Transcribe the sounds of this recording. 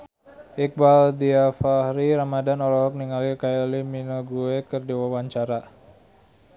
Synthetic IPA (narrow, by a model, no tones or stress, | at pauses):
ʔik̚baldiafahɾiɾamadanɔlɔɦɔk̚niŋalikaɛliminɔɡuekərdiwawaɲt͡ʃaɾa